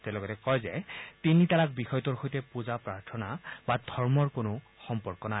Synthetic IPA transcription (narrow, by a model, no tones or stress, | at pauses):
tɛlɔɡɔtɛkɔjzɛtinitaɹak̚bixɔjɔtɔɹxojtɛpuzapɹaɹtʰɔnabadʱɔɹmɔɹkonʊ | xɔmpɔɹkɔna